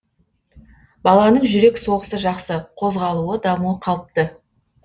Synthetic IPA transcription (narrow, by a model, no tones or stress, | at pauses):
bɑlˠɑnəɴʒʏɾe̞kso̞ʁəsəʒɑqsəqʰo̞zʁɑlˠuəd̪ɑmuəqʰɑlˠəp̚t̪ə